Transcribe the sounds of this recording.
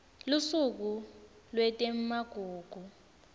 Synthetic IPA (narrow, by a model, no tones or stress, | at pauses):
lusuk̬u | lwɛtʼem̩maɡ̥ʱuːɡ̥ʱu